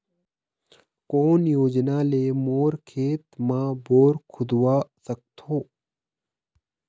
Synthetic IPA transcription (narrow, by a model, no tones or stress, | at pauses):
koːnjoːd͡ʒnaːleːmoːɾkʰeːt̪mãːboːɾkʰʊd̪waːsɐk̚t̪ʰoː